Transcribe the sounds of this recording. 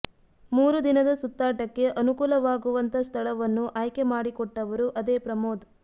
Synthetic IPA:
muːɾud̪inɐd̪ɐsut̪ːaːʈɐkːe̞ʔɐnukuːlɐʋaːɡuʋɐnt̪ʰɐst̪ʰɐɭɐʋɐnːuʔaːjkemaːɽikɔʈːɐʋɐɾuʔɐd̪eːpɾɐmoːd̪

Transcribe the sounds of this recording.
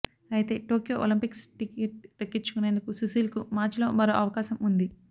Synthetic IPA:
ɐjit̪e̞ːʈoːkjoːʔolimpiksʈikeːʈ̚t̪ɐkːit͡ʃːukune̞ːnd̪ukususiːlkumaːɾt͡ʃlo̞̰ːmɐɾoːʔɐʋɐkaːʃɐmund̪i

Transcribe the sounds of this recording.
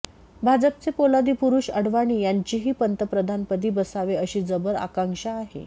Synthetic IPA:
bʱad͡zəp̚t͡sepolad̪iːpuɾuːɕəɽʋaɽ̃iːjaɲt͡ɕiːɦiːpənt̪əpɾəd̪ʱanpəd̪ʱiːbəsaʋeəɕiːd͡zəbəɾa̰kãŋkɕaːɦḛ

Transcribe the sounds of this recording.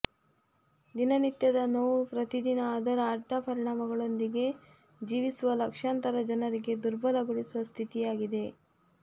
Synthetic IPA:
d̪inɐnit̪jɐd̪ɐnoːupɾɐt̪id̪inɐaːd̪ɐɾɐːʈːɐpɐɾiɳaːmɐɡɐɭo̞nd̪iɡe̞ | d͡ʒiːʋisuʋɐlɐkʂaːnt̪ɐɾɐd͡ʒɐnɐɾiɡe̞d̪uɾbɐlɐɡuɽisuʋɐst̪ʰit̪ijaːɡid̪e̞

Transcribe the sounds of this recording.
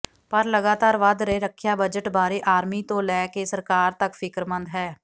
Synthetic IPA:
pəɾləɡaːt̪aːɾʋad̪ɾeːɾəkʰːjaːbəd͡ʒəʈbaːɾiːʔaːɾmiːt̪õːlɛːkeːsəɾkaːɾt̪əkfʰɪkɾmə̃nd̪ɦɛː

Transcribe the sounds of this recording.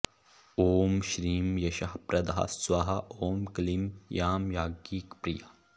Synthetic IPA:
oːmʃɾiːmjɐʃɐɦpɾɐd̪ɐɦɐ̰swɐɦɐʔoːmklimjaːmjaːɡiːkpɾijɐ

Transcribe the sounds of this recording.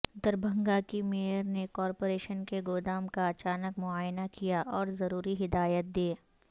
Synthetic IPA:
d̪əɾbʱɐ̃ŋɡakimeːəɾnekɔːɾpoːɾeːʃənkeɡoːd̪aːmkaɐt͡ʃaːnəkmʊaːjnakijaʔɔːɾzɐɾuːɾiɦɪd̪aːjət̪̚d̪eː

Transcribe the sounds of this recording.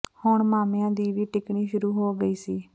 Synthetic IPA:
hʊɳmaːmeãːd̪iːʋiːʈɪkɳiːʃʊɾuːɦoːɡəiːsiː

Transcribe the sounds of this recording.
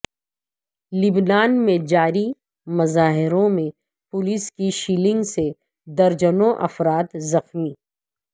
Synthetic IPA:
lɪbnaːnmẽd͡ʒaːɾi | mɐzaːɦɪɾõmẽ | pʊlɪskiʃiːlɪ̃ŋɡse | d̪ɐɾd͡ʒənõʔɐ̰fɾaːt̪zɐxmiː

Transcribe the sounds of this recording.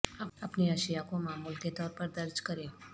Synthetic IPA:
apniəʃijakõmãmulket̪ɔɾpəɾd̪əɾd͡ʒkəɾe

